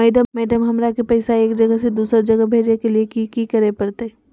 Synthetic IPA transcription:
mɛːɖəmɛːɖəmɦɐmɾakepɐɪsaeːkd͡ʒɐɡəsed̪uːsɾd͡ʒɐɡəbʱeːd͡ʒnekeliekikikɐɾepɐɾt̪e

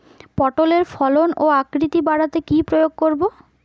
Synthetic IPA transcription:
pɔʈoleɾfɔlonoakɾit̪ibaɽat̪ekipɾojoɡ̚koɾbo

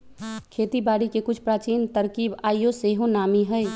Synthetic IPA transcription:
kʰeːt̪ibaːɽikekʊt͡ʃʰpɾaːt͡ʃiːnt̪əɾkiːbaːijoseːɦõnaːmiɦɛj

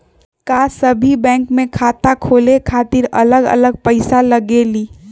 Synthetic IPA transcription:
kasəbʱibɛ̃ːŋkmẽkʰaːt̪akʰoːlekʰaːt̪iɾə̰ləɡə̰ləɡ̚pəɪsaləɡeliː

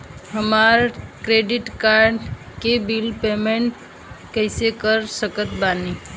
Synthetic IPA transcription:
ɦəmaːɾkɾeːɖɪʈkaːɾɖ | kebilpeːmẽɳʈ | kəɪsekəɾsəkət̪baːniː

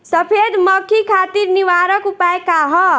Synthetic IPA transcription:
səpʰed̪məkʰikʰaːt̪iɾniʋaɾəkupaekaɦɔ

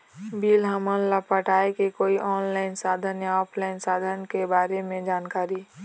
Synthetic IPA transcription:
biːlɦəmənləpəʈaːekekoːiʔɔːnlaːɪnsaːd̪ʱənjaɔːpʰlaːɪnsaːd̪ʱənkebaːɾemẽd͡ʒaːnkaːɾi

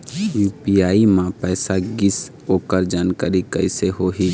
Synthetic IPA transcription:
juːpiaːimãpɛːsaɡɪs | oːkəɾd͡ʒaːnkaːɾikəɪseɦoːɦiː

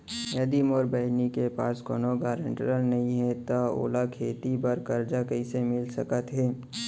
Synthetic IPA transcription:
jɐd̪imoːɾbəɦɪnikepaːskoːnoɡaːɾə̃ɳʈɾəlnɐɦĩɦɛt̪ao̰ːlakʰeːt̪ibəɾkɐɾd͡ʒakɐisemɪlsɐkət̪ɦɛː

